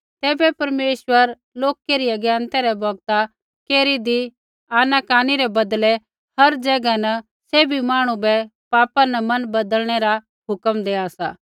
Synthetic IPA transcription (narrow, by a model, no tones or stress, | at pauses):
t̪ɛːbɛpɐɾmeːʃwəɾ | loːkeɾiɐɡjãːnt̪ɛɾɛbɔːɡ̚t̪a | keːɾid̪i | aːnakaːniɾɛbɐd̪lɛ | hɐɾd͡ʒɛːɡanɐ | seːbʱimaːɽ̃ũbɛ | paːpanɐmɐnbɐd̪əlɽ̃ɛɾa | ɦʊkəmd̪eːasa̰ː